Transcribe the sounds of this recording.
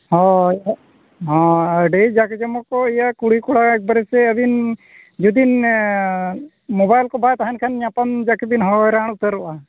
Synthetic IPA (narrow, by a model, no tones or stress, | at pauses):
hɔja | ɦɔ̃əɖɛd͡ʒakɛd͡ʒɔmɔkɔijakuɽikuɽaɛk̚bəɾɛsɛəbin | d͡ʒud̪in | mɔbajlkɔbajt̪aɦankʰanɲapand͡ʒakebinɦɔɾaɳ̃ut̪əɾuʔa